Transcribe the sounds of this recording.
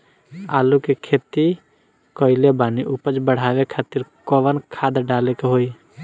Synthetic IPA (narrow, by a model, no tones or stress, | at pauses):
aːlukekʰeːt̪i | kɔːɪlebaːniʔupət͡ʃbəɽ̤aːʋekʰaːt̪ɪɾkɔʋənkʰaːd̪ɖaːlekeɦoi